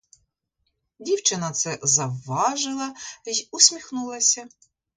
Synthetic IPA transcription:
dʲiwt͡ʃɪnɐt̪sɛzɐwːɑʒɪlˠɐjusʲmʲixnulˠɐsʲɐ

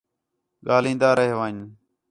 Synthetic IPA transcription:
ɠaːlĩːnd̪aːɾəɦeːʋaːɲ

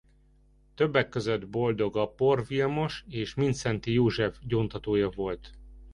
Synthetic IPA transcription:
t̪ø̞bːɛkːø̞zød̪bo̞ld̪o̞ɡɒpo̞rvilmo̞ʃeːʃmint̪sɛnt̪ijoːʒɛfɟoːnt̪ɒt̪oːjɒvo̞lt̪

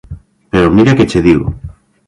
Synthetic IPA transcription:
peɾomiɾaket͡ʃeðiɣo̰

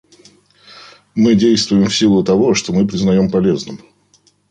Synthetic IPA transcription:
mɨdʲejst̪vʊjɪmfsʲilˠʊt̪ɐvo̞ʂt̪o̞mɨpɾʲɪznɐjo̞mpɐlʲe̞znɨm

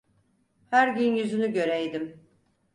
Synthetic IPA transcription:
hæɾɟynjyzynyɟø̞ɾɛjd̪im

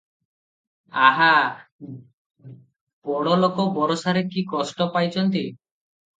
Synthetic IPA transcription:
aɦa | b̥ɔɽɔlokɔbɔɾɔsaɾekikɔsʈɔpajt͡ʃʰɔnt̪i

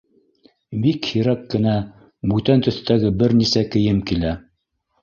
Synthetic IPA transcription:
bikhiɾækːɘ̆næ | bʉt̪ænt̪ɵ̆θt̪æɡɘbɘɾnisækɘ̆jɘmkilæ

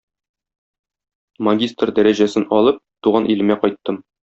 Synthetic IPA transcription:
mɐɡʲist̪rd̪æɾæʑæsɘnɒlˠɤp̚t̪uʁɑnʔilɘ̆mæqɒjt̪ːɤm

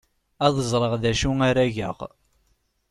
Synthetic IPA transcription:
æðəzˤɾˤəʁðæʃuaɾæʝə̰ʁ

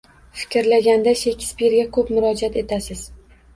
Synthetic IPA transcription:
fɪ̥kʲɾlaɡʲand̪aʃekʲʰspiɾɡʲakʰɵpmʊɾɒd͡ʒat̪e̞t̪ʰasɪz̥

